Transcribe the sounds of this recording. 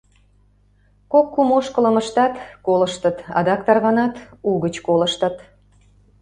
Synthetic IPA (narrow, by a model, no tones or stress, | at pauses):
kokːumoʃkələməʃt̪ɑt̪koləʃt̪ət̪ɑ̰d̪ɑk̚t̪ɑrɣɑnɑt̪uɣət͡ɕkolə̆ʃt̪ət̪